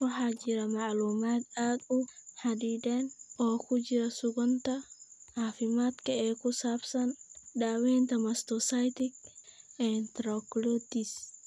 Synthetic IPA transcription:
wɐħaːd͡ʒɪɾɐmaʕluːmaːt̪aːd̪ʊħad̪iːd̪eːnʔoːkʊd͡ʒɪɾɐsʊɡɔnt̪ɐʕaːfɪmaːt̪kɐɛːkʊsaːbsɐndaːwɛːnt̪ɐmɐst̪ɔsajt̪ɪkɛːnt̪ɾɔklod̪ɪs

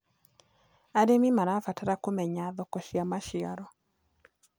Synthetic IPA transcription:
aɾemimaɾafataɾakomɛɲaðɔkɔʃiamaʃɪaɾɔ

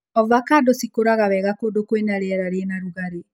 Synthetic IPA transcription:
ɔvakadosikoɾaɣawɛɣakodokwenaɾeɛɾaɾeɛnaɾuɣaɾe

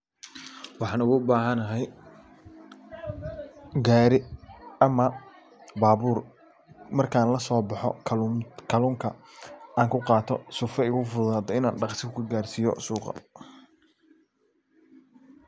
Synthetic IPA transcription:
wɑħɑːnʊɣʊbaːɦɐnɐɦɛj | ɡaːɾɪɐmɐ | baːβuːr | mɐrkʰaːnlɐsɔːbɑħɔ̰kʰːkʰɐluːŋkʰɐaːŋkʰʊqɑːt̪ʰɔ̰sʊfɛɪɣʊfʊðaːd̪ɔɪna̰ːnɖɑqsɪkʊkʰɐɡaːrsiːjɔ̰suːqɑ̰

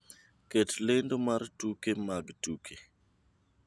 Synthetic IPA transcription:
ketlendomartukemaɡtukʰe

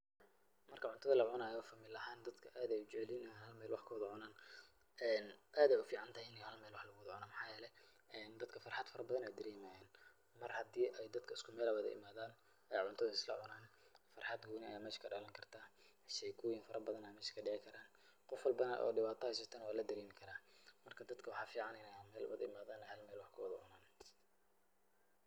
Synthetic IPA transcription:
mɐrkʰɐʕʊnt̪ʰɐðɐlɐʕʊnaːjɔfɐmɪlɐɦaːnd̪ɐd̪kʰɐʔaːd̪ɛjʊt͡ʃɛʕlɪnɐaːnhɐlmɛːlwɑħkʰʊwðʊʕʊnaːn | ʔɛːnʔaːd̪ɛjʊfiːʕɑnt̪ʰajɪnjhɐlmɛːlwɑħlɐɣʊwðʕʊnaːmħɑːjɛːlɛ | ɛːnd̪ɐd̪kʰɐfɐrħɑd̪fɐɾɐbɐðɐnɛjd̪ɐɾiːmajɛːn | mɐrhɐd̪iːʔɛjd̪ɐd̪kʰɐɪskʰʊmɛːlɐwɐðɐ̰ʔɪ̰maːðaːn | ʔɛjʕʊnt̪ʰɐðɐɪslɐʕʊnaːnfɐrħɑd̪ɡuːnɪɐ̰jaːmɛːʃkʰɐɖɐlɐŋkʰɐrt̪ʰaː | ʃɛjkʰuːjɪnfɐɾɐbɐðɐnɐmɛːʃɐ̥kʰɐɖɪʕɪkʰɐɾaːn | qɔfwɐlbɐnɐʔɔ̰ːɖɪβaːt̪ʰɐhɛjs̬ɐt̪ʰɛːnwaːlɐd̪ɐɾiːmɪkʰɐɾaːmɐrkʰɐd̪ɐd̪kʰɐwɑħɑːfiːʕɑnɪnɛmɛːlwɐðɐɪmaːðaːnɛhɐlmɛːlwɑħkʰʊwɐðʊʕʊ̰naːn

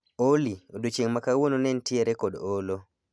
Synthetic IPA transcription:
oliodot͡ʃeŋmakawononɛntɪeɾekodolo

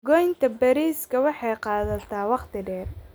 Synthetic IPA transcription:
ɡɔjnt̪ʰɐbɐɾiːskʰɐwɑħɑjqɑːðɐt̪ʰaːwɑqt̪ʰɪɖɛːr

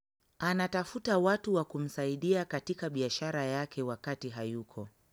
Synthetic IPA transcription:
anatafutawatuwakum̩saiɗiakatikaɓiaʃaɾajakɛwakatiɦajukʰɔ̰

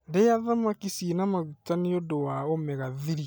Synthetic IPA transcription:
ndejaðamakisinamaɣutaniodowaomɛɣaðiɾi

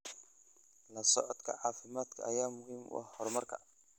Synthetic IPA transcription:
lɐsɔʕɔd̪kʰɐ̰ʕɑːfɪmaːd̪kʰɐʔɐjaːmʊɦiːmʊ̰ʔɐhhɔrmɐrkʰɐ̰

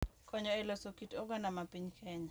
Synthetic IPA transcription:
kɔɲɔɛlɔsokitoɡɔnamapiɲkʰɛɲa

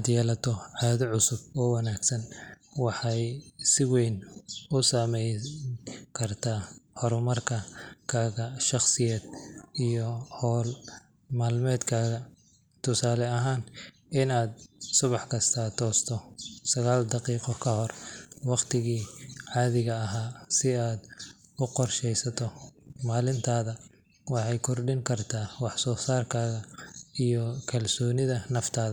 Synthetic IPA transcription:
aːd̪jɛːlɐt̪ʰɔʕɑːðɪʕʊsʊbɔːwɑnaːɡsɐnwɑħɑjsɪwɛjnʊsaːmɛj | kʰɐrt̪ʰaːhɔɾɔmɐrkʰɐkʰaːɣɐʃɑχsɪjɛːd̪ijɔhɔːl | maːlmɛːd̪kʰaːɣɐ | t̪ʰʊsaːlɛɐɦaːn | ɪnaːd̪̚sʊβɑħkʰɐst̪ʰɐt̪ʰɔːst̪ʰɔsɐɣaːld̪ɑqiːqɔkʰɐhɔrwɑqt̪ʰɪɣiːʕɑːðɪɣɐɐɦaːsɪaːd̪ | ʊqɔrʃɛjsɐt̪ʰɔmaːlɪnt̪ʰaːðɐ | wɑħɑjkʰɔrɖɪŋkʰɐrt̪ʰaːwɑħsɔːsaːrkʰaːɣɐijɔkʰɐlsɔːnɪðɐnɐft̪ʰaːðɐ

